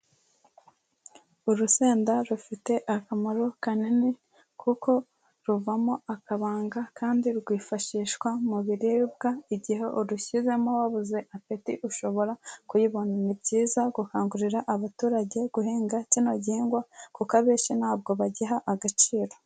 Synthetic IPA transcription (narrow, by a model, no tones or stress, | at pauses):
uɾuseːndaɾufite̞ʔakamaɾo̞kanine | kʰuko̞ | ɾuvamo̞akaβaːŋɡakʰaːndiɾɡwiːfaʃiːʃkwamuβiɾiːb̚ɡaiɟihe̞ʔuɾuçize̞mowaβuze̞ʔapitiʔuʃo̞βo̞ɾakujiβoninibɟiːzaɡuhaːŋɡuɾiɾaʔaβatuːɾaɟe̞ɡ̥uɦiːŋɡacino̞ɟiːŋɡwakukaβeːʃinaːb̚ɡo̞βaɟiɦaʔaɡat͡ʃiːɾo̞